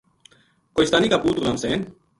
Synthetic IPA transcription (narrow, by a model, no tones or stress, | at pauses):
kojst̪anikapuːt̪uɣɾamsen